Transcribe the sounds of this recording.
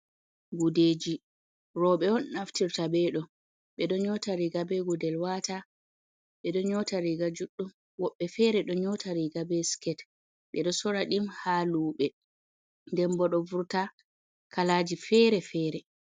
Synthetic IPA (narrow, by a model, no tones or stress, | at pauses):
ɡuded͡ʒi | ɾɔɓɛɔnnaftiɾtabɛɗɔ | ɓɛɗɔɲɔtaɾiɡabɛɡudɛlwata | ɓɛɗɔɲɔtaɾiɡad͡ʒuɗːum | wɔɓːɛfɛɾɛɗɔɲɔtʰaɾiɡabɛskɛt | ɓɛɗɔsɔɾaɗimhaluːɓɛ | ndɛmbɔɗɔvuɾta | kalaːd͡ʒifɛɾɛfɛːɾɛ